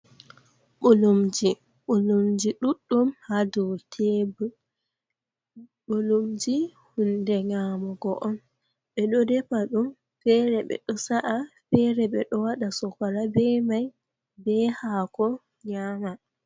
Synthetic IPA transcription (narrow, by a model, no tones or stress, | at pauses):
ɓulumd͡ʒi | ɓulumd͡ʒiɗuɗːumhadɔwtʰebu | ɓolumd͡ʒihundɛŋamɔɡɔʔɔn | ɓɛɗɔdɛpaɗum | fɛɾɛɓɛ̰ɗɔsaʔafɛɾɛɓɛɗɔwaɗasɔkaɾabɛmaj | bɛhakɔ | ɲama